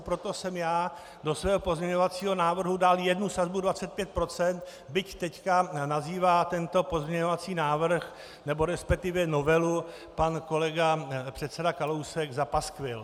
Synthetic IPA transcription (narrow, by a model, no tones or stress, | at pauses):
pɾot̪o̞sɛmjaː | do̞svɛːɦo̞po̞zmɲɛɲo̞vat͡siːɦo̞naːvr̩ɦudaljɛdnusazbudvat͡sɛt̪̚pjɛt̪̚pɾo̞t͡sɛnt̪ | bɪct̪ɛckanaziːvaːt̪ɛnt̪o̞po̞zmɲɛɲo̞vat͡siːnaːvr̩x | nɛbo̞ɾɛspɛk̚t̪ɪvjɛno̞vɛlu | panko̞lɛɡapr̝̥ɛt̪sɛdakalowsɛɡzapaskvɪl